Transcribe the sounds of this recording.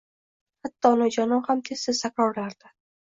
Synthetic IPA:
hat̪ːɒnɪd͡ʒanɒhamt̪ʰesːɪz̥t̪ʰakʲɾɒɾlaɾd̪̥a

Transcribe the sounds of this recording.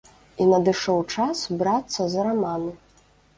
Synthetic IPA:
inɐd̪ɨʂɔwt͡ʂasbɾat̪sːɐzɐɾamanɨ

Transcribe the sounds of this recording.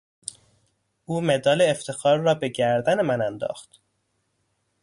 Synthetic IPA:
ʔuːme̞d̪ɒːleːft̪ʰe̞xɒːɾːɒːbe̞ɟæɾd̪ænemænænd̪ɒ̰ːxt̪

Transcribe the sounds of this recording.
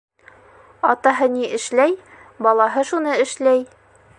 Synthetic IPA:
ɒt̪ɑɦɤniʔɘ̆ʃlæj | bɒlˠɑɦɤʃunɤɘ̆ʃlæj

